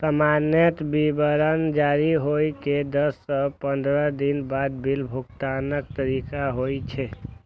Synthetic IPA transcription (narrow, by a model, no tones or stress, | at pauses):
səmanət̪bibəɾənd͡ʒaɾiɦojked̪əsːəpənd̪ɾəd̪inbad̪̚bʱilbʱukt̪anək̚t̪əɾikaɦojt͡ʃʰɛ